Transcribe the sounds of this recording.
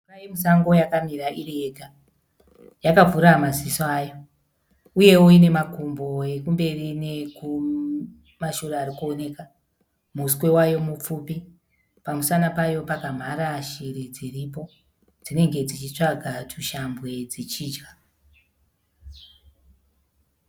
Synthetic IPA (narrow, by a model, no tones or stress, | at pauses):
kajimusaŋɡo̞jakamiɾaʔirieɡʱa | jakavuɾamazisajo̞ | uje̞woine̞makumbo̞e̞kumbe̞rine̞ku | maʃuɾaaɾikuone̞ka | muskwe̞wajo̞mup͡fupi | pamusanapajo̞pakam̤aɾaʃiɾid͡ziripo̞ | d͡zine̞ŋɡe̞d͡zit͡ʃit͡ʂaɡʱatʰuʃambwe̞d͡zit͡ʃiːd͡ʒɡa